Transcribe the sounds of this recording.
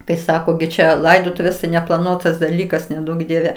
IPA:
kɐɪ ˈsɑːkoː ɡʲɪ ˈt͡ʃʲɛ ˈlˠɐɪdoːtʊʋʲeːs tɐɪ nʲɛplˠɐˈnuɔtɐs dɐˈlʲiːkɐs nʲɛˈduɔk ˈdʲiɛʋʲɛ

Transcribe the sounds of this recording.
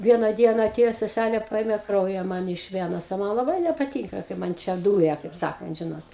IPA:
ˈʋʲiɛnɐ ˈdʲiɛnɐ ɐˈtʲeːjoː sʲɛˈsʲælʲeː ˈpɐeːmʲɛ ˈkrɐʊjɛ ˈmɐn ɪʃ ˈʋʲæːnoːs oː ˈmɐn lˠɐˈbɐɪ nʲɛpɐˈtʲiːŋkɐ kɐɪ ˈmɐn ˈt͡ʃʲɛ ˈduːrʲɛ kɐɪp ˈsɑːkɐnt ˈʒʲɪnoːt

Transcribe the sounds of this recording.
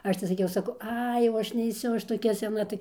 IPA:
ˈɐʃ tɐɪ sɐˈkʲɛʊ sɐˈkɐʊ ˈɐɪ jɛʊ ˈɐʃ nʲɛɪˈsʲʊ ɐʃ toːˈkʲɛ sʲɛˈnɐ tɐɪ

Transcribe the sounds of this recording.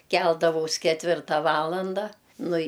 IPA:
ˈkʲɛlˠdɐʋɐʊs kʲɛtʲˈʋʲɪrtɐ ˈʋɑːlˠɐndɐ ˈnʊ ɪ

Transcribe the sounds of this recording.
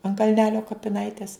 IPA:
ɐn kɐlʲˈnʲæːlʲoː kɐpʲɪˈnɐɪtʲɛs

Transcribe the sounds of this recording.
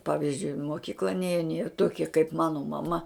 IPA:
ˈpɑːʋʲɪzʲd͡ʒʲʊɪ ɪ moːˈkʲiːklˠɐ ˈnʲeːjɛn jiɛ ˈtoːkʲiɛ kɐɪp ˈmɑːnoː mɐˈmɐ

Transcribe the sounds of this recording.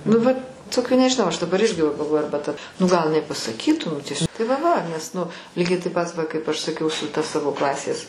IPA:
nʊ ˈʋɐt ˈtoːkʲuː nʲɛʒʲɪˈnɐʊ ɐʃ dɐˈbɐr ˈɪrʲɡʲɪ ʋɐ ɡɐlˠˈʋoːjʊ ˈɐrbɐ tɐ nʊ ɡɐlˠ ɪˈnɐɪ pɐsɐˈkʲiːtuː nʊ tʲiɛsʲ tɐɪ ʋɐ ʋɐ nʲɛs nʊ ˈlʲiːɡʲɛɪ tɐɪp ˈpɐt ˈʋɐ kɐɪp ˈɐʃ sɐˈkʲɛʊ sʊ tɐ ˈsɑːʋoː ˈklˠɑːsʲeːs

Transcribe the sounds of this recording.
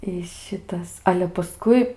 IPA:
ɪ ˈʃʲɪtɐs ɐlʲɛ pɐˈskʊɪ

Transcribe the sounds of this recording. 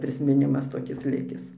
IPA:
pʲrʲɪsʲmʲɪˈnʲɪmɐs toːˈkʲɪs ˈlʲɪkʲɪs

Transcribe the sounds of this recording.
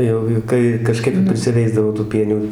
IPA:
ˈjɛʊɡʲɪ ˈkɐɪ kɐˈʃkɐɪp ɪr pʲrʲɪsʲɪˈʋʲɛɪzdɐʋoː tuː ˈpʲiɛnʲuː

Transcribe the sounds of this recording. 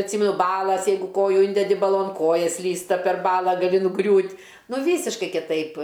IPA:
ɐtʲˈsʲiːmʲɛnʊ ˈbɑːlˠɐs ˈjɛɪɡʊ ˈkoːjʊ ˈɪnʲdʲɛdʲɪ bɐˈlˠoːn ˈkoːjɛ ˈsʲlʲiːstɐ pʲɛr ˈbɑːlˠɐ ɡɐˈlʲɪ nʊˈɡrʲuːtʲ ˈnʊ ˈʋʲiːsʲɪʃkɐɪ kʲɪˈtɐɪp

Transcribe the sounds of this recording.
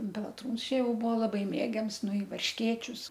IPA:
pʲɛlˠɐˈtruːns ˈt͡ʃʲɛ ˈjɛʊ ˈbʊʋoː lˠɐˈbɐɪ ˈmʲeːɡʲɛms ˈnʊ ɪ ʋɐrʲʃʲˈkʲeːt͡ʃʲʊs

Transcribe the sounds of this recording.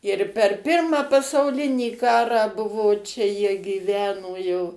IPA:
ɪr pʲɛr ˈpʲɪrmɑː pɐsɐʊˈlʲɪnʲiː ˈkɑːrɑː ˈbʊʋoː ˈt͡ʃʲɛ jiɛ ɡʲiːˈʋʲæːnoː jɛʊ

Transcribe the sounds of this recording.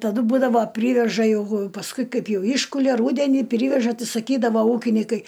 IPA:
tɐˈdʊ ˈbuːdɐʋoː ˈpʲrʲiːʋʲɛʒɐ jɛˈɡʊ pɐsˈkʊɪ ˈkɐɪp ˈjɛʊ ˈiːʃkʊlʲɛ ˈruːdʲɛnʲiː ˈpʲrʲɪʋʲɛʒɐ ˈtɐɪ sɐˈkʲiːdɐʋoː ˈuːkʲɪnʲɪkɐɪ

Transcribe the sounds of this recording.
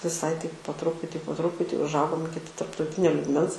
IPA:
ʋʲɪˈsɐɪ tɐɪp poː ˈtrʊpʊtʲiː poː ˈtrʊpʊtʲiː ʊʒˈɐʊɡoːm ˈɪkʲɪ tɐrptɐʊˈtʲɪnʲoː lʲiːɡˈmʲɛns

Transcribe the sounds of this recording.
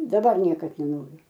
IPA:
dɐˈbɐr ˈnʲiɛkɐt nʲɛˈnoːrʲʊ

